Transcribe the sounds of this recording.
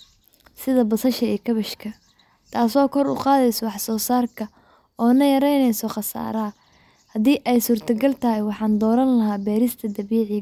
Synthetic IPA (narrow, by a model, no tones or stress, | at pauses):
sɪðɐbɐsɐʃɐiːkʰɐβɐʃkʰɐ | t̪ʰaːsɔːkʰɔɾʊ̰qɑːðɛjsɔwɑħsɔːsaːrkʰɐ | ɔːnɐjɐɾɛjnɛjsɔχɑsa̰ːɾɐ | hɐðiːʔɛjsuːrt̪ʰɐɡɐlt̪ʰɐɦɪjwɑħɑːnd̪ɔːɾɐnlɐɦaːbɛːɾɪst̪ʰɐd̪ɐβiːʕɪ